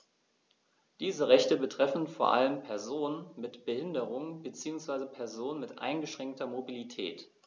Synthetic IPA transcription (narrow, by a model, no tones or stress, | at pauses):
d̥iːzəʁɛçtəbətʁ̥ɛfn̩foːɐʔa̰ləmpʰɛɐzoːnənmɪtb̥əhɪndəʁʊŋbət͡siːʊŋsv̥aɪzəpʰɛɐzoːnənmɪtʔa̰ɪnɡəʃʁ̥ɛŋk̚tʰɐmobilitʰɛ̰ːt